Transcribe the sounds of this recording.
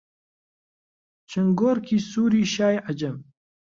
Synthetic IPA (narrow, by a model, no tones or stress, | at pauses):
t͡ʃʰɨŋɡoɾkʰiːsuːɾiːʃaːjʕad͡ʒɐm